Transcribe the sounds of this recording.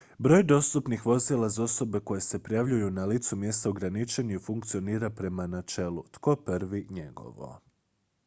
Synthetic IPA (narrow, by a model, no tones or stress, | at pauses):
bɾo̞ːjd̪o̞st̪upnixʋo̞zilˠazao̞so̞be̞ko̞je̞se̞pɾijaʋʎujunalit̪sumje̞st̪aoɡɾanit͡ʃe̞ɲuifuŋkt̪sio̞niːɾapɾe̞manat͡ʃe̞lut̪ko̞pəɾʋiɲe̞ɡo̞̰ʋo̞̰